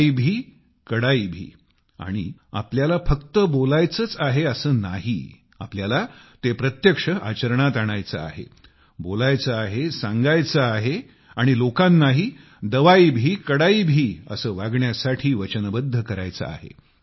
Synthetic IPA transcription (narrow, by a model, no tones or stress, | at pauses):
ibʱiː | kəɽaibʱḭː | a̰ɽ̃ḭa̰pljalafəkt̪əbolajt͡sət͡saɦeəsəːna̰ɦḭː | a̰pljalat̪epɾət̪jəkʂəʔa̰t͡ɕəɾɳ̃at̪aɽ̃ajt͡sa̰a̰ɦḛ | bolajt͡saːɦesãŋɡajt͡saːɦe | aɽ̃ilokãnːaɦiː | d̪əʋajibʱiːkəɽaibʱiːə̰səːʋaɡɳjasaʈʰiːʋət͡ɕənbəd̪ʱːəkəɾa̰jt͡sa̰a̰ɦḛ